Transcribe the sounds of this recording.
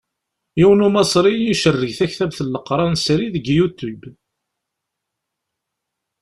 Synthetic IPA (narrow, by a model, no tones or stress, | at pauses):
iwənumɑsˤɾiiʃərːəʝθæçθæbθəlːəqɾˤɑnsɾiðəɡjut̪ːub